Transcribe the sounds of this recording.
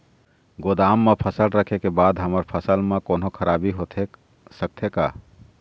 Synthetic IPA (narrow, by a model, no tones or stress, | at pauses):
ɡod̪amːepʰəsəlɾəkʰekebad̪ɦəməɾpʰəsəlmekonokʰəɾabiɦot̪ʰe | sək̚t̪ʰeka̰